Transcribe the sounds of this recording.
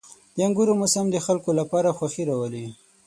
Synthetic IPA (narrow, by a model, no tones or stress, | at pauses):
d̪̥əaŋɡuɾomʊsamd̪əxalkolapɑɾaxwaxiɾawəli